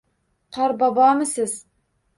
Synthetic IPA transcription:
qʰɑɾbɑbɑmɨsɪz

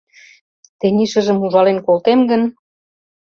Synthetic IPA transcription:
t̪eniʃə̆ʒə̆muʒɑlenkolt̪emɡən

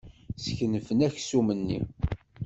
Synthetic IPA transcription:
sçənəfənæçsumənːḭ

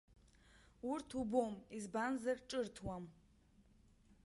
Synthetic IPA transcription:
urtʰubomizbanzɐrʈ͡ʂʼɨrtʰwam

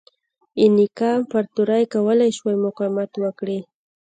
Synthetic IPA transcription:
ɪnɪkamfaɾt̪ʊɾajkawalajʃwajmʊqamat̪wakɽɪ

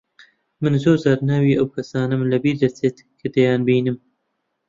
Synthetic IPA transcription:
mɨnzoːzaːɾnaːwiːʔɐwkʰɐsaːnɐmlɐbiːɾd̪ɐt͡seːt̪ | kʰɨd̪ɐjɑːnbiːnɨm

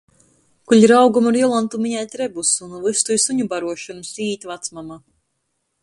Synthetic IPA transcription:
kuʎiɾawɡumuɾjɔlˠant̪umiɲajt̪ʲɾebusunuvˠɨst̪ujsuɲubaɾuɔʃunusiːt̪ʲvat̪smama

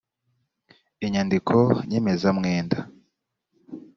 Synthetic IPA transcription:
iɲandikʰoɲeme̞zamŋeːnda

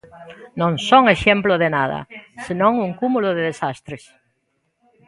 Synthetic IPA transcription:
nõŋsoŋeʃemploðenaðɐ̰senõŋuŋkumuloðeðesast̪ɾes

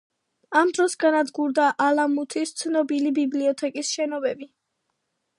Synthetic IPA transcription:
amd̪ɾɔsɡanad̪ɡuɾd̪aʔalamut̪ʰist̪sʰnɔbilibibliɔt̪ʰɛkʼisʃɛnɔbɛbi

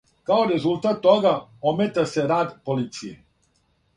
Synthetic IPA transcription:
kaoɾezulˠt̪at̪ːɔɡaomet̪aseɾad̪polit̪sie

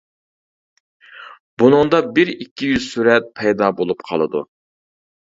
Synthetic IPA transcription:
b̥unɨŋd̪ɑbɪɾikʲʰːijyz̥syɾɛt̪̚pʰɛjd̪ɑbolˠupqʰɑ̰lˠɨd̪ṵ

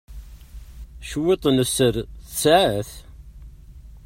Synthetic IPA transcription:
ʃwet̪ˤnəsəɾθəsʕæθ

